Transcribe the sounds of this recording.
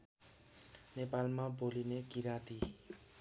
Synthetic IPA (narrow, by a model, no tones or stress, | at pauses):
nepalmabolinekiɾat̪i